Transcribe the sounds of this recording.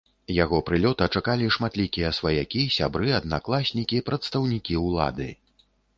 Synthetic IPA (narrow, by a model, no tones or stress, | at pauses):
jaɣɔpɾɨlʲɔt̪ɐt͡ʂakalʲiʂmat̪lʲikʲijɐsvɐjakʲisʲabɾɨɐd̪naklˠasʲnʲikʲipɾɐt̪st̪ɐwnʲikʲiuwlˠa̰d̪ɨ̰